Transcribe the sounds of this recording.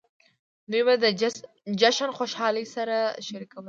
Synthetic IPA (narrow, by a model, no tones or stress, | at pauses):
d̪ujbad̪ə | d͡ʒaʃanxoʃɑləjsaɾaʃaɾikawə